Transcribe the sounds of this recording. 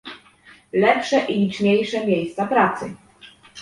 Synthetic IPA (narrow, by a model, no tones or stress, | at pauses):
lɛpʂɛʔilʲit͡ʂɲejʂɛmʲjejst̪sapɾat̪sɘ̰